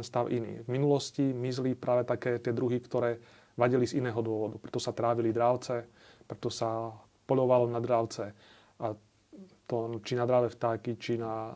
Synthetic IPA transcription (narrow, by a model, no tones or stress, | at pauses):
ɛnst̪aʊʔinḭːvminulɔscimizlipɾʔaːʋɛt̪akɛːt̪ɪɛd̪ɾuɦikt̪ɔɾɛː | ʋaɟilizinɛːɦɔd̪ʊɔʋɔd̪upɾɛt̪ɔsat̪ɾaːʋilid̪ɾaːʊt͡sɛ | pɾɛt̪ɔsa | pɔʎɔʋalɔnad̪ɾaːʊt͡sɛ | ʔa | t̪ɔt͡ʃinad̪ɾaːʋɛft̪aːkit͡ʃina